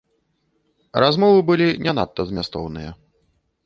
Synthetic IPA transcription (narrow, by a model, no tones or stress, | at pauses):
ɾazmɔvɨbɨlʲinʲana̰t̪ːɐzmʲast̪ɔ̰wnɨjɐ̰